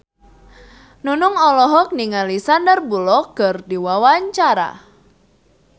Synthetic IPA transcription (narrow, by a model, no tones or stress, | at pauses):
nunʊŋɔlɔɦɔk̚niŋalisandərbulɔkərdiwawaɲt͡ʃaɾa̰